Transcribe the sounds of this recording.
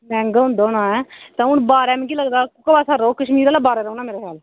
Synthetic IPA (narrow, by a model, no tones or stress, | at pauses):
mɛ̃ːŋɡaɦʊ̃nd̪aːʊnãːɛːt̪ãːʊɳbaːɾɛːmɛ̃ɡiːləɡd̪aːkʊkabaːsaːɾoːkəʃmiːɾaːlaːbaːɾɛːɾəuːnaːmeːɾeːkʰɛːl